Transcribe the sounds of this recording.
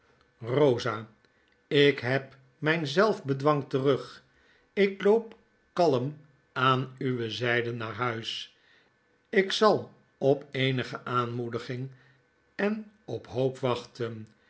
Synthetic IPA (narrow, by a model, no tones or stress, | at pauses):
rowzaː | ɪkɦɛp | mɛjnzɛlˠfbədʋɑŋtərɵχ | ɪklowp | kɑləm | aːnyʋəzɛjdənːaːɹɦœɥs | ɪksɑlˠ | ɔpejnəχəʔaːnmudəχɪŋ | ɛnɔpɦowpʋɑχtən